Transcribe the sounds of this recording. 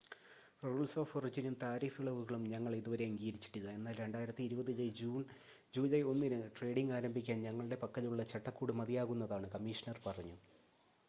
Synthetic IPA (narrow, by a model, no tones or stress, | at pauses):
roːɭsoːforid͡ʑinumt̪aːɾiːfiɭɐʋuɣɐɭumɲɐŋːɐɭiðuʋɐɾe̞ɐŋɡiːɾit͡ɕːi̥ʈːiɣɐe̞nːaːlɾe̞ɳɖaːjiɾɐt̪ːiɾubɐðilejd͡ʑuːn | d͡ʑuːlɐjo̞nːinɨʈre̞ːɖiŋɡaːɾɐmbʱikʲːaːnɲɐŋːɐɭɨɽe̞pɐkːɐðuɭːɐt͡ɕɐʈːɐkːuːɽɨmɐðijaːɣunːɐðaːɳɨkɐmːiːʂɐnɐrpɐrɐɲːu